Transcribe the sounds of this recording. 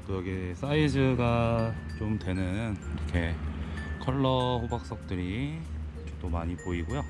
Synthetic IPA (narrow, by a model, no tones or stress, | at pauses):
t͈ojʌɡis͈ʰaisʰɯɡa | t͡ɕomtwe̞nɯniɾʌkʰe̞ | kʰʌɭːʌɸobak̚s͈ʌk̚t͈ɯɾi | t͈omaɲipoiɡojo